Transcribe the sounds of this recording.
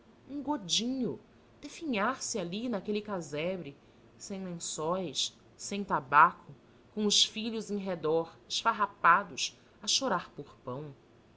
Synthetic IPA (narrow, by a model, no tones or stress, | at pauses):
ũɡod͡ʒĩɲʊ | d̪̥efiɲaɾsɪalinakelikazɛbɾi | sẽj̃lẽsɔjʃ | sẽj̃t̪abakʰʊ | kõʊʃfiʎʊzẽj̃ɦed̪ɔɾɪʃfaɦapad̪ʊs | aʃoɾaɾpʊχpɐ̃w̃